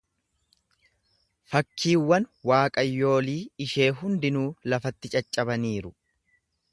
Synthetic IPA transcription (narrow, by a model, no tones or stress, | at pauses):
fɐkːiːwːɐnwaːkʼɐjːo̞ːliːɪʃe̞ːɦʊnd̪ɪnuːlɐfɐt̪ːɪt͡ʃʼɐt͡ʃʼːɐbɐniːɾʊ